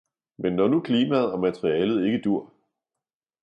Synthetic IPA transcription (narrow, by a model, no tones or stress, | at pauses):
menːɒnukʰliːmæð̞̩ˠɒ̽mæt͡sʰʁiɛːlð̩ˠe̝ɡ̥əd̥uɐ̰